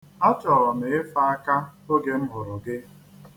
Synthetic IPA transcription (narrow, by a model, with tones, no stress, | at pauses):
ɔ˦t͡ʃɔ˨ɾɔ˨me˨ɪ˦fa˦a˦ka˦o˦ɡe˨m̩˦ɦʊ˨ɾʊ˨ɡe˦